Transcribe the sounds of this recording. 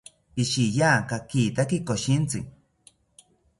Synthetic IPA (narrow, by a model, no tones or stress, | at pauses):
piʃijakakit̪akikoʃint͡sḭ